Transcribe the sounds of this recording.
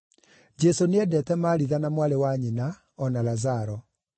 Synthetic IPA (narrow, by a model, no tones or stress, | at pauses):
d͡ʒesoneɛdɛtɛmaːɾiðanamwaɾewaɲina | ɔnalazaɾɔ